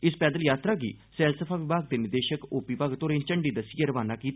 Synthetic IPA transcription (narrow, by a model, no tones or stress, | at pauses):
ɪspɛːd̪əljaːt̪ɾaːɡḭː | sɛːlsəpʰaːʋɪbaːɡ̚d̪eːnɪɾd̪eːʃəkoːpiːbaːɡt̪oːɾẽːnt͡ʃəɳɖiːd̪əsijeɾəʋaːnaːkiːt̪